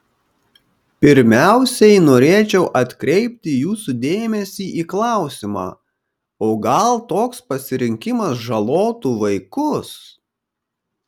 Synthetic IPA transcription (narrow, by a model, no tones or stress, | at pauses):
pʲɪɾʲmʲæˑʊsʲɛɪnoːɾʲeːt͡ʃʲɛʊʔɐt̪ʲkɾʲɛɪpʲt̪ʲɪjuːsud̪ʲeːmʲɛsʲiːʔiːklˠɑˑʊsʲimɑ̰ː | oːɡɐlˠt̪oːkspɐsʲɪɾʲɪŋʲkʲɪmɐsʒɐlˠoːt̪uːʋɐɪkʊs